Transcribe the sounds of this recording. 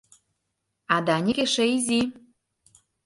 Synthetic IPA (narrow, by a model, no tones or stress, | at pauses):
ɑd̪ɑnʲekeʃeizʲi